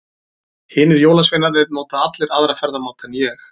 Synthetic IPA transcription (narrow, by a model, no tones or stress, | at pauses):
hɪːnɪðjoːwlasvejnaɾɛɾnoːwt̪aat̪lɪɾaðɾafɛɾðamawt̪ɛnjɛx